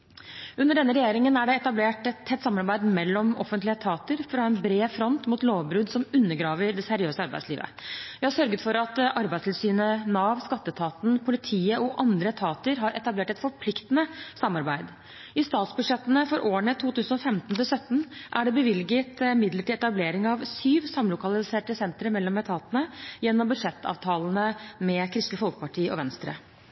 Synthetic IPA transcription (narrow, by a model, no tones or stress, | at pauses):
ʉnːəɖɛnːəɾɛjeːɾɪŋənæɖɛɛt̪ɑbleːʈɛt̪ʰɛt̪ːsɑmːɑɾbæɪd̪mɛlːɔmɔ̰fənt̪lɪət̪ʰɑːt̪əɾfɾɑɛnbɾeːfɾɔnt̪muːt̪loːʋbɾʉːd̪sɔmʉnːəɡɾɑːʋəɾɖɛsɛɾɪøːsəɑɾbæ̰ɪsliːʋə̰ʋɪhɑsœɾɡət̪fɔɾɑt̪ɑɾbæɪst̪ʰɪlsyːnənɑːʋskɑt̪ːət̪ʰɑːt̪n̩pʰʊlɪt̪ʰiːəʔɔʔɑnd̪ɾət̪ʰɑːt̪əɾɦɑɾʔɛt̪ɑbleːʈɛt̪fɔɾpʰlɪkt̪ənəsɑmːɑɾbæɪd̪ | ɪst̪ɑːt̪sbʉʂɛt̪ːənəfɔɾʔoːəɳət̪ʰuːt̪ʰʉːsənɔfɛmt̪n̩t̪ɪlsœt̪ːn̩ʔæ̰ɖɛbəʋɪlɡət̪ɪmɪd̪ləʈiːɛt̪ɑbleːɾɪŋɑʋsyːʋsɑmlʊkɑlɪseːʈəsɛnt̪ɾəmɛlːɔmɛt̪ʰɑːt̪ənəjɛnːɔmbʉd̪ʂɛt̪ːɑ̰ːʋt̪ʰɑːlnəmɛkʰɾɪst̪əfɔlkəpɑʈʰiːəɔ̰ʋɛnst̪ɾə̰